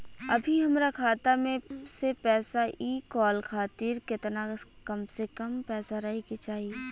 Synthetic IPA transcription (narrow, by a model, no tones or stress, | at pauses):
ɐbʱiɦɐmɾakʰaːt̪amẽsepɛːsaʔiːkɔːlkʰaːt̪iːɾkɪt̪nakɐmsekɐmpɛːsaɾɐɦiket͡ʃaːɦie